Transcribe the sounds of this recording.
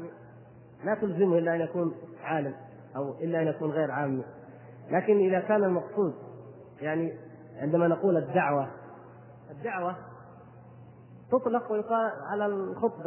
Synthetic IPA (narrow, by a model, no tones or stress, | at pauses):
mi | mat̪ʊlzɪmʔɪlːaʔanjakuːnʕaːlɪm | ʔawʔɪlːaʔanjakuːnɣeːɾʕaːmːi | laːkɪnʔɪðakaːnalmɑqsˤuːd̪̚ | jaʕni | ʕɪnd̪amanaquːlad̪ːaʕwa | ʔad̪ːaʕwa | t̪ʊt̪ˤlɑqwɪjʊqɑːʕalalxʊt̪ˤbɑ